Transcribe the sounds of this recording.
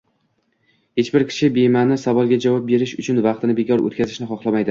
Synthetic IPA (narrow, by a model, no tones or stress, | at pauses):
het͡ʃbɪɾkʲʰɪ̥ʃɪbemanɪsavɒlˠɡʲad͡ʒavɒp̚be̞ɾɪʃʊt͡ʃʰʊnvɑqt̪ʰɪnɪbe̞kʲʰɒɾo̰t̪̚ʲkʲazɪʃnɪχɒχlˠamajd̪ɪ